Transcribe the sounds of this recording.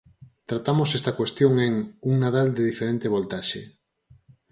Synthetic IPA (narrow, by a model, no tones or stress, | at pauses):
t̪ɾat̪amosest̪akwest̪joŋeŋuŋnað̞ald̪eðifeɾẽnt̪eβ̞olt̪aʃḛ